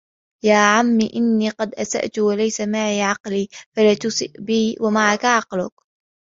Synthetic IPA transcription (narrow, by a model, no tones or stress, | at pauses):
jaːʕamːiʔɪnːiːqɑd̪ʔasa̰ʔt̪ʊwalajsamaʕiːʕɑqliːfalaːt̪ʊsɪ̰ʔbiːwamaʕakaʕɑqlʊk̚